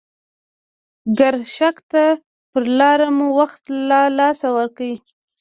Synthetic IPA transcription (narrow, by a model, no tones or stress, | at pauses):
ɡaɾʃakt̪a | pəɾlɑɾamuwaxt̪lɑlɑsawaɾkawi